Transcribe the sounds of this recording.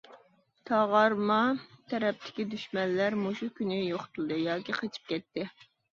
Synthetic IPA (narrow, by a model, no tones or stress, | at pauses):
t̪ʰɑʁɑɾmɑt̪ʰɛɾɛp̚t̪ʰɪ̥kʲid̪yʃmɛnlæɾmoʃukʲynɪjoχt̪ulˠd̪ɨjɑːkʲiqʰet͡ʃʰi̥p̚kʲɛt̪ːɪ